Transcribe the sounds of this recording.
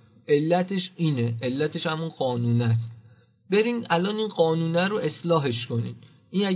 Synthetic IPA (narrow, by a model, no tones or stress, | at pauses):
ʔe̞lːæt̪ʰe̞ʃiːne̞ʔelːæt̪ʰe̞ʃhæmunɢɒːnuːnæs̬t̪ | be̞ɾiːnælɒːniːnɢɒːnuːnæɾoe̞slɒːɦe̞ʃkʰo̞niːd̪ | ʔiːnæ